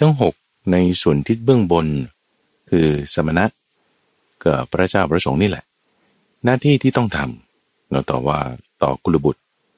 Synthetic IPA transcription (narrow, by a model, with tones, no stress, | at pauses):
t̪ʰa˥˩ŋɦo˨˩k̚ | na˧jsu˩˦ənt̪ʰi˦˥t̪̚bɯ˥˩əŋbo˧n | kʰɯː˧sa˨˦ma˧na˦˥ʔ | ka˨˩pʰːɾa˧˥t͡ɕaː˧˩wpʰɾa˧so˩˦ŋniː˥˩lɛ̰˨˩ʔ | naː˥˩t̪ʰiː˥˩t̪ʰiː˥˩t̪ɔ˥˩ŋt̪ʰa˧m | na˨˦˩t̪ɔ̰ː˨˩waː˥˩t̪ɔ̰ː˨˩kʰu˧la˧bu˨˩t̪̚